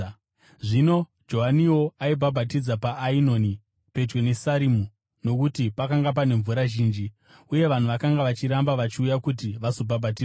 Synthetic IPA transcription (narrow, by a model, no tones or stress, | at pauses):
ʐino̞ | d͡ʒo̞ɦaniwo̞aibʱabʱatid͡zapaʔːino̞ni | pe̞d͡ʒwe̞ne̞saɾimu | no̞kutipakaŋɡap̬ane̞ɱvuɾaʒiːnd͡ʒi | uje̞ʋan̤uʋakaŋɡaʋat͡ʃiɾambaʋat͡ʃiujakut̬iʋasobʱabʱatiːe